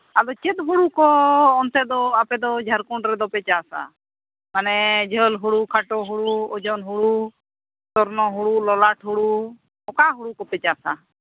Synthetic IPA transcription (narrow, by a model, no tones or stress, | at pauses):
ad̪ɔt͡ʃed̪ɦuɽukɔɔnt̪ɛd̪ɔapɛd̪ɔd͡ʒʱaɾkɔɳɾɛd̪ɔpɛt͡ʃasa̰ | manɛd͡ʒʱəlɦuɽukʰaʈɔɦuɽuɔd͡ʒɔnɦuɽu | t̪ɔɾnɔɦuɽulɔlaʈʰɦuɽu | ɔkaɦuɽukɔpɛt͡ʃaːsa